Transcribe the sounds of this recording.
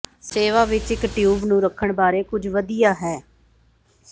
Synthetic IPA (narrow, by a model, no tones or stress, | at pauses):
seːʋaːʋɪt͡ʃɪkʈjuːbnũːɾəkʰːəɳbaːɾeːkʊd͡ʒʋəd̪ijaːɦɛː